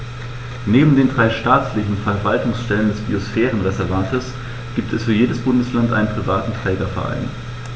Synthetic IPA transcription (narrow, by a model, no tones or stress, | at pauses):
neːbm̩deːndʁaɪʃtaːt͡slɪçn̩fɛɐvaltʊŋsʃtɛləndɛsb̥ḭosfɛːʁ̞ənʁɛzɛɐvantʰəs | ɡ̥iːp̚tʰɛsfyːɐjeːdəsb̥ʊndəslantʔa̰ɪnənpʁ̥ivaːtn̩tʁ̥ɛːɡɐfɛ̰ɐʔa̰ɪn